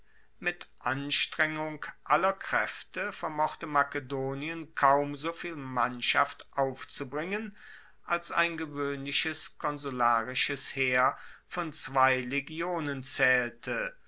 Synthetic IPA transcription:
mɪtʔanʃtʁ̥ɛŋʊŋkʔalɐkʁ̥ɛftəfɛɐmɔχtəmakədoːniənkʰaʊmzoːfiːlmanʃa̰ftʔaʊft͡subʁɪŋən | ʔalsa̰ɪnɡəvøːnlɪçəskʰɔnzulaːʁɪʃəsheːɐfɔnt͡sv̥aɪleɡjoːnənt͡sɛːltʰə

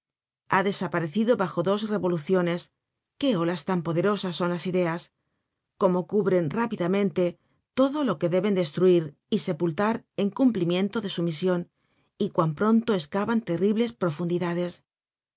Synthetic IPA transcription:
aðe̞sapaɾe̞θiðo̞βaxo̞ðo̞sre̞βo̞luθjo̞ne̞s | ke̞olast̪ampo̞ðe̞ɾo̞sasːo̞nlasiðe̞as | ko̞mo̞kuβɾe̞nrapiðamẽnt̪e̞ | t̪o̞ðo̞lo̞ke̞ðe̞βe̞nd̪e̞st̪ɾuiɾ | ise̞pult̪aɾe̞ŋkumplimjẽ̞nt̪o̞ðe̞sumisjo̞n | ikwampɾo̞nt̪o̞e̞skaβant̪e̞riβle̞spɾo̞fund̪iðaðe̞s

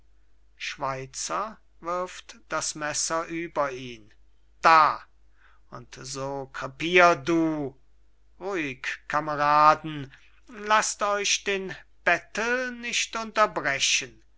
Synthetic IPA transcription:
ʃv̥aɪt͡sɐ | vɪɐftd̥asmɛsɐʔyːbɐiːn | d̥aː | ʔʊntzoːkʁapiːʁduː | ʁuɪkkːaməʁaːdn̩ | lastɔʏʃd̥eːnb̥ɛtl̩nɪʃtʊntɐbʁɛɕən

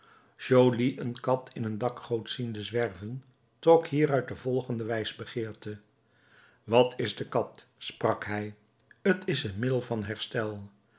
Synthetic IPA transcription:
ʒowliʔənkɑtʰɪnəndɑkχowtsindəzʋɛrvən | trɔkɦiːɾœɥ̚dəvɔlˠχəndəʋɛjzbəχɪːɹtə | ʋɑtʰɪzdəkɑtsprɑkɦɛj | ətɪsənmɪdəlˠvɑnɦɛɹstɛlˠ

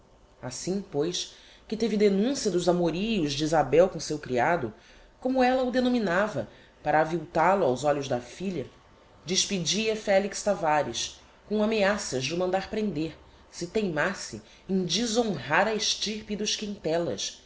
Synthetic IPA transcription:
asĩpojʃ | kɪt̪evɪd̪enũsiɐd̪ʊzamoɾijʊzd͡ʒiizabɛwkõsewkɾiad̪ʊ̰ | kõmʊɛlɐʊd̪enõminavɐ | paɾɐːviwt̪alʊawzɔʎʊʒd̪ɐfiʎɐ | d͡ʒɪʃpid͡ʒiɐfɛlikst̪avaɾiʃ | kõameasɐʒd͡ʒɪumɐ̃nd̪aɾpɾẽnd̪eɾ | sɪt̪ejmasɪ | ẽj̃d͡ʒizõɦaɾɐeʃt͡ʃiɾpid̪ʊʃkĩt̪ɛlɐ̰ʃ

